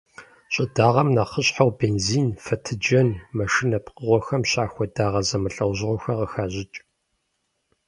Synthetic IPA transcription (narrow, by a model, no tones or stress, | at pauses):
ɕʼɪdaːʁɐmnaːχəɕħawbeːnziːnfɐtʰɨd͡ʒɐnmɐʃɪnɐpqəʁʷɔxɐmɕaːxʷɔdaːʁɐzɐmɨɬʼɐwʑɪʁʷɔxɐqəxaːʑɪt͡ʃʼ